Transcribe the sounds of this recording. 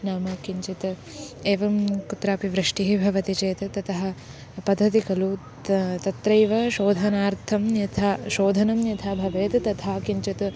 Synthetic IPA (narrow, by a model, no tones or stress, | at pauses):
naːmɐkiɲt͡ʃit̪ | eːʋɐmkut̪ɾaːpiʋɾɨʂʈiɦibʱɐʋɐt̪it͡ʃeːt̪ɐt̪ɐt̪ɐɦɐ̆ | pɐd̪ʱːɐt̪ikɐlu | t̪ɐt̪ɾɐjʋɐʃoːd̪ʱɐnaːɾt̪ʰɐmjɐt̪ʰaʃoːd̪ʱɐnɐmjɐt̪ʰaːbʱɐʋeːt̪t̪ɐt̪ʰaːkiɲt͡ʃɐt̪